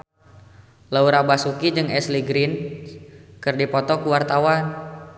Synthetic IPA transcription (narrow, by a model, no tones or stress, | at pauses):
lauɾabasukid͡ʒɨŋɛsliɡɾin | kɨrdipɔt̪ɔkuwart̪awan